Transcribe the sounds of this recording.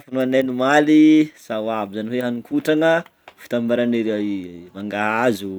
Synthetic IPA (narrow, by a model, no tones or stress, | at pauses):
funuananimalisawabizaniweɦanikʰuʈ͡ʂaŋə | fi̥t̪ambaɾaniɾeaimaŋɡaɦazu